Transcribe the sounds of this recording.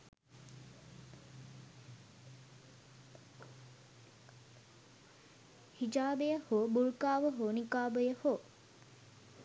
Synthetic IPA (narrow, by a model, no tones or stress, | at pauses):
hid͡ʒaːbejəhoːbulkaːʋəɦoːnikaːbəjəhoː